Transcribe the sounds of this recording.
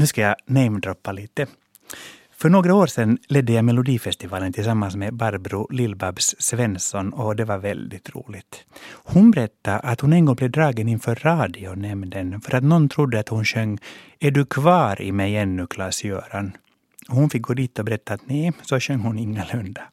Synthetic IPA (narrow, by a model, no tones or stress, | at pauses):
nʉːskajɑnɛɪmd̪ɾɔpːaliːt̪ə | fœɳoːɡɾaoːɾsɛnːlɛd̪ːəjaɪmɛlʊd̪iːfɛst̪ɪvɑːlənt̪ʰɪls̬amːansmɛbaɾbɾʊlɪlbabssvɛnsɔnɔd̪ɛvaɾvɛ̰ld̪ɪt̪ɾṵːlɪt̪hʊnbɛɾɛt̪ːaʔat̪hʊnɛnɡɔŋːblɛvd̪ɾɑːɡənɪnfœːɾːɑːd̪ɪʊnɛmd̪ənfœɾʔat̪nɔnt̪ʰɾʊd̪ːəat̪hʊnɕœŋː | æɖɵkʰvɑːɾɪ̰mɛjɛnːʉkʰlɑsjø̰ːɾan | ɔhʊnfɪk̚ɡoːd̪iːt̪ɔbɛɾɛt̪ːaːt̪nɛsɔɕœŋːhʊnɪŋːalɵnd̪a